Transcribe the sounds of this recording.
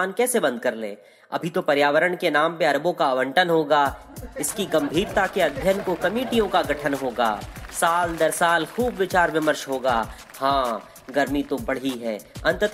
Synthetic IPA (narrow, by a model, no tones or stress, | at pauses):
aːnkɛːsebɐ̃nd̪̚kɐɾlḛ̃ː | ɐ̰bʱit̪opɐɾjaːʋəɾəɽkenaːmpeɐɾbõkaːʋə̃ɳʈənɦoːɡaː | ɪskiɡɐ̃mbʱiːɾt̪akeɐd̪ʱjənkokɐmeːʈijõkaɡɐʈʰənɦoːɡa̰ːsaːld̪ɐɾsaːlxuːbʋɪt͡ʃaːɾʋɪməɾʃɦoːɡaː | hãː | ɡɐɾmit̪obɐɽ̤iɦɛːɐ̃nt̪ət̪